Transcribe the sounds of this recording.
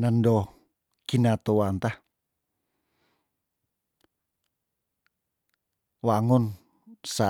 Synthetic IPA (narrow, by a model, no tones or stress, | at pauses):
nəndɔ | kinat̪owant̪ah | waŋʊn | sa